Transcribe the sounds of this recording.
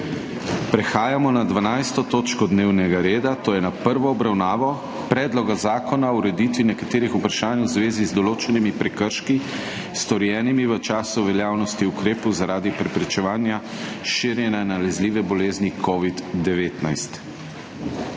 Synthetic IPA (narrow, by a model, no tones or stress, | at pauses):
pɾɛxaːjamɔnad̪ʋanajst̪ɔt̪oːt͡ʃkɔd̪neːwnɛɡaɾeːd̪at̪oːjɛnapəɾʋɔːbɾawnaːʋɔ | pɾɛːd̪lɔɡazaːkɔnaɔuɾɛd̪it̪ʋinɛkat̪eːɾixupɾaʃaːnwzʋeːzizd̪ɔloːt͡ʃɛnimipɾɛkəɾʃki | st̪ɔɾjɛːnimiʋət͡ʃaːsuʋɛljaːwnɔst̪iukɾeːpɔwzaɾaːd̪ipɾɛpɾɛt͡ʃɛʋaːnja | ʃiɾjɛnanalɛzliːʋɛbɔleːznikʰɔʋid̪d̪ɛʋeːt̪najst̪